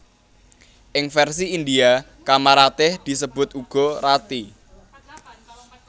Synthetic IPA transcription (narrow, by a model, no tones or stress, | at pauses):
ʔɪŋfɛrsiind̪ia | kamaɾat̪ɪhd̪̥i̤səb̥ʊ̤t̪uɡ̥ɔ̤ɾat̪i